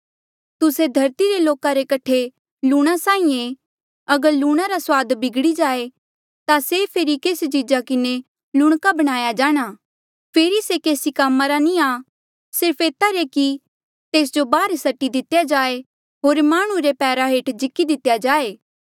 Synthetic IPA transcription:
t̪ʊsed̪ʱɐɾt̪iɾeloːkaɾekɐʈʰe | luːɽ̃asãːĩːẽ | ɐɡəɾluːɽ̃aɾaswaːd̪bɪɡɽid͡ʒaːe | t̪asepʰeɾikeːst͡ʃɪd͡ʒakɪne | lʊɽ̃kabɐɽ̃aːjad͡ʒaːɽ̃aː | pʰeːɾisekeːsikamːaɾaniaː | sɪɾpʰeːt̪aɾeki | t̪eːs̬d͡ʒobaːɾsɐʈːid̪ɪt̪jad͡ʒaːe | ɦoːɾmaːɽ̃ũɾepɛːɾaɦeːʈd͡ʒɪkid̪ɪt̪ːjad͡ʒaːeː

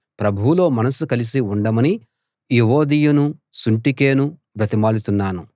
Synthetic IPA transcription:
pɾɐbʱuwulo̞ːmɐnɐsukɐlis̬iuɳɖɐmɐni | jiɦoːd̪iːjunusuɳʈike̞ːnu | bɾɐt̪imaːlut̪unːaːnu

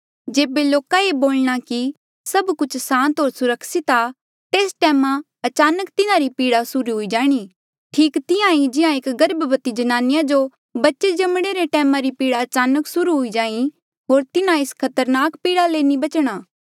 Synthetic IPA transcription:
d͡ʒeːbeloːkaeboːlɽ̃aki | sɐbkʊt͡ʃʰsãːnt̪ɦoːɾsʊɾəksit̪a | t̪eːsʈɛːmã | ɐt͡ʃaːnəkt̪ɪnãɾipiːɽasʊɾuɦʊid͡ʒaːɽ̃i | ʈʰiːkt̪ɪãĩd͡ʒɪãekɡɐɾbbət̪id͡ʒɐnaːnɪjãd͡ʒo | bɐtːʃed͡ʒɐmɽ̃eɾeʈɛːmãɾipiːɽaɐt͡ʃaːnəksʊɾuɦʊid͡ʒaːĩ | ɦoːɾt̪ɪnãɪskʰɐt̪əɾnaːkpiːɽaleːnibɐt͡ʃɽ̃aː

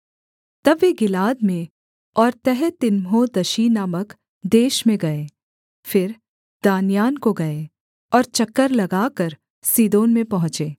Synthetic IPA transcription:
t̪ɐbʋeɡɪlaːd̪mẽ | ɔːɾt̪ɛɦɛt̪ɪnmɦod̪ɐʃiːnaːmək | d̪eːʃmẽɡɐeː | fɪɾ | d̪̥aːnjaːnkoɡɐe | ɔːɾt͡ʃɐkːəɾlɐɡaːkəɾ | siːd̪oːnmẽpɐɦʊ̃t͡ʃeː

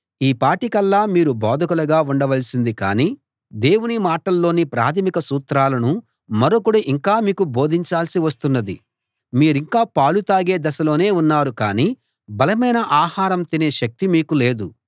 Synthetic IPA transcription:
iːpaːʈikɐlːaːmiːɾubɔːd̪ʱɐkulɐɡaːuɳɖɐʋɐlsind̪ika̰ːniː | d̪e̞ːwunimaːʈɐlːo̞ːnipɾa̰ːt̪ʰɐmikɐsuːt̪ɾaːlɐnu | mɐɾokuɽuʔiŋkaːmiːkubo̞ːd̪ʱiɲt͡ʃaːlsiʋɐst̪unːɐd̪i | miːɾiŋkaːpaːlut̪aːɡe̞ːd̪ɐsɐlo̞ːne̞ːunːaːɾukaːniː | bɐlɐmɐjnɐʔaːhaːɾɐmt̪ineːʃɐk̚t̪imiːkule̞ːd̪u

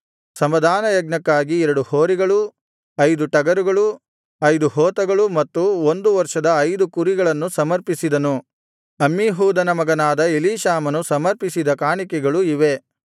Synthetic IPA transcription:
sɐmʋɐd̪ʱaːnɐjɐɡ̚nɐkːaːɡiɛɾɐɽuhoːɾiɡɐɭu | ɐjd̪uʈɐɡɐɾuɡɐɭu | ɐjd̪uɦɔːt̪ɐɡɐɭumɐt̪ːuond̪uʋɐɾʂɐd̪ɐːjd̪ukuɾiɡɐɭɐnːusɐmɐɾpisid̪ɐnu | ɐmːiɦuːd̪ɐnɐmɐɡɐnaːd̪ɐeliːʃaːmɐnusɐmɐɾpisid̪ɐkaːɳikɛɡɐɭuiʋe̞

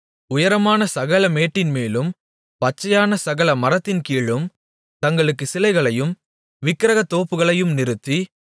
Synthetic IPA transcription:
ʊjɐɾɐmaːnɐsɐɣɐlɐmeːʈːɪnmeːlɯm | pɐt͡ʃːɐjaːnɐsɐɣɐlɐmɐɾɐt̪ːɪnkiːɭɯm | t̪ɐŋɡɐɭɯkːɯsɪlɐɪɣɐɭɐjɯm | ʋɪkːɪɾɐɣɐt̪ːoːpːɯɣɐɭɐjɯmnɪɾɯt̪ːi

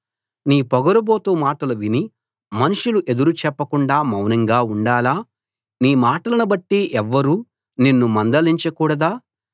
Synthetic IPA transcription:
niːpɔɡɐɾuboːt̪uːmaːʈɐluʋini | mɐnuʂuluʔe̞d̪uɾut͡ʃɛpːɐkuɳɖaːmɐwnɐŋɡaːuɳɖaːlaː | niːmaːʈɐlɐnubɐʈːiʔɛʋːɐɾuː | ninːumɐnd̪ɐliɲt͡ʃɐkuːɽɐd̪aː

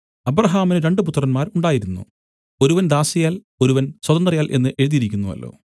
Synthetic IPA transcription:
ɐbrɐɦaːminɨɾe̞ɳɖɨput̪ːrɐnmaːɾuɳɖaːjiɾunːṵ | o̞ɾuʋɐnd̪aːsijaːl | o̞ɾuʋɐnswɐðɐnd̪rɐjaːlʔe̞nːɨʔe̞ɻuðijiɾikʲːunːuɐ̰lːo̞̰ː

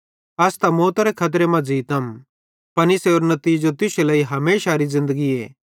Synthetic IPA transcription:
ɐst̪amoːt̪aɾɛkʰɐt̪̬ɾemɐ̃d͡ʒiːt̪ɐm | pɐnɪseoːɾnɐt̪iːd͡ʒot̪ɪselɐiɦɐmeːʃaɾizɪ̃nd̪əɡiḛː

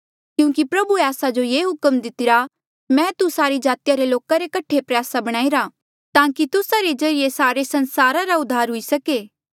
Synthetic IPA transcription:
kjũːkipɾɐbueaːsad͡ʒojeːɦʊkəmd̪ɪt̪ɪɾa | mɛ̃t̪usaːɾid͡ʒaːt̪ɪjaɾeloːkaɾekɐʈʰepɾjaːsabɐɽ̃aːiɾa | t̪ãːkit̪ʊsaɾed͡ʒɐɾijesaːɾesɐ̃nsaːɾaɾaʊd̪ʱːaːɾɦʊisɐkeː

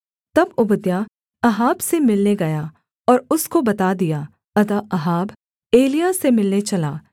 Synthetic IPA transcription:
t̪ɐbʊbəd̪ja | ɐɦaːbsemɪlneɡɐja | ɔːɾʊskobɐt̪ad̪ijaː | ɐt̪aʔɐɦaːb | eːlijasemɪlnet͡ʃɐlaː

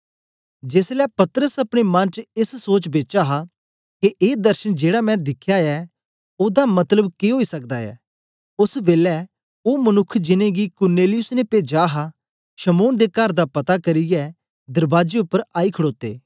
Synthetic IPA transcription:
d͡ʒeːslɛːpɐt̪əɾəsɐpɽ̃emɐ̃nt͡ʃɪssoːt͡ʃbeːt͡ʃaɦa | keʔeːd̪ɐɾʃənd͡ʒeːɽamɛ̃d̪ɪkʰjaɛ | oːd̪amɐt̪ləbkeɦoːisɐk̚d̪aɛ̰ː | ʊsbeːlɛ | oːmɐnʊkʰːd͡ʒɪnẽɡikʊɾneːlɪjʊsnepeːd͡ʒaːɦa | ʃɐmoːnd̪ekɐɾd̪apɐt̪akɐɾiɛ | d̪ɐɾbaːd͡ʒeʊpːəɾaːikʰəɽoːt̪ḛː

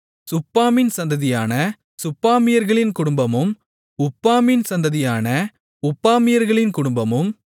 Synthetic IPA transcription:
sʊpːaːmɪnsɐnd̪ɐðɪjaːnɐ | sʊpːaːmɪjɐɾɣɐɭɪnkʊɽʊmbɐmɯm | ʊpːaːmɪnsɐnd̪ɐðɪjaːnɐ | ʊpːaːmɪjɐɾɣɐɭɪnkʊɽʊmbɐmɯm

